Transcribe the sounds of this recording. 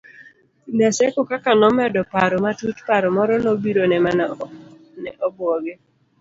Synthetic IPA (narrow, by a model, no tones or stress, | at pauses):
nasɛkokakanɔmɛdɔpaɾɔmatutpaɾɔmɔɾɔnɔbiɾonɛman | nɛʔɔbɔɡe